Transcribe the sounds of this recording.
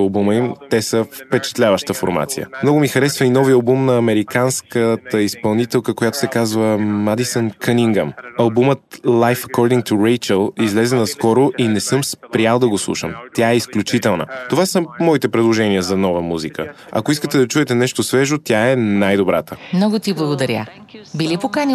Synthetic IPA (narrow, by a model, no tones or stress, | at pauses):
ɐlˠbuməimt̪ɛsəfpɛt͡ʃɛ̥t̪lʲavəʃt̪əfo̰ɾma̰t̪sḭjə̰mnɔɡʊmixɐɾɛsvəinɔviɐlˠbumnɐːmɛɾikanskət̪əispɐlˠnit̪ɛlˠkəkojat̪o̥sɛkazvəmad̪isənkʰəniŋɡəmɐlˠbumət̪lˠajfɐkɔɾd̪iŋkt̪uɾɛjt͡ʃəlˠizlɛzɛnɐskɔɾoʔinɛsɤmspɾialˠd̪ɐɡoslˠṵʃə̰mt̪ʲjaɛisklʲut͡ʃit̪ɛlˠnə̰t̪ovasəmɔit̪ɛpɾɛd̪lˠoʒɛniəzɐnɔvəmuzikə | ɐ̰koiskət̪ɛd̪ɐt͡ʃuɛt̪ɛnɛʃt̪osvɛʒot̪ʲjaɛnajd̪obɾa̰t̪əmnɔɡot̪iblˠɐɡod̪ɐɾʲja̰ | bilʲipokani